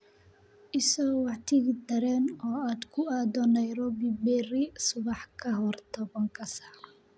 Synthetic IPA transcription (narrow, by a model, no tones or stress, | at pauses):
ʔɪsɔwɑʕt̪ʰɪɣɪd̪ɐɾɛːnɔːaːd̪kʰʊaːd̪ɔnɛjɾɔbibɛrɪsʊβɑħkʰɐɦɔrt̪ʰɔβɐŋkʰɐsḁːɾ